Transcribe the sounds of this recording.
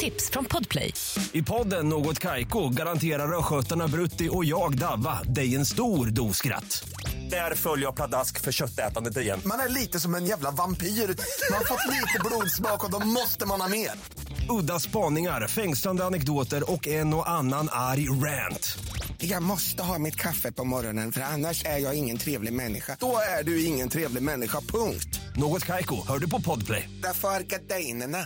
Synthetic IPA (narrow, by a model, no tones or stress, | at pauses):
t̪ʰɪpsfɾɔnpʰɔd̪pʰlɛ̰j | ɪpʰɔd̪ːənːoːɡɔt̪kʰajkʊɡaɾant̪ʰeːɾaɾɔɧœt̪ːaɳabɾɵt̪ːɪʔɔjɑːɡd̪avːa̰d̪ɛjɛnst̪uːɾd̪uːskɾa̰t̪ː | d̪̥æɾfœljəjapʰlad̪askfœɾɕœt̪ːɛ̰ːt̪and̪ət̪ɪjɛ̰nmanæɭiːt̪əsɔmɛnjæːvlavampʰiːɾmanhaɾfɔt̪ːliːt̪əbluːd̪smɑːkɔd̪ɔmmɔst̪əmanhɑːmeːɾ | ɵd̪ːaspɑːnɪŋaɾfɛŋsland̪əanɛkd̪oːt̪əɾɔkːɛnɔʔanːanaɾjɾænt̪jɑːɡmɔst̪əɦɑːmɪt̪kʰafːəpʰɔmɔɾɔnənfœɾanːaʂæɾjɑːɡɪŋːənt̪ʰɾeːvlɪɡmɛnːɪ̰ɧad̥ɔæɖɵɪŋːənt̪ʰɾeːvlɪɡmɛnːɪɧapʰɵŋkt̪noːɡɔt̪kʰajkʊhœːɖɵpʰɔpʰɔd̪pʰlɛ̰jd̪æɾfœɾaɾkad̪ɛjnəɳa